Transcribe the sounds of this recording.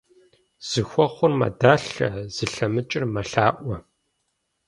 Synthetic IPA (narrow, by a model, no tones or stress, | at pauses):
z̥ɨxʷɔχʷʊrmɐ̰daːɬɐ̰z̥ɨɬɐmɨt͡ʃʼɪrmɐɬaːʔʷɔ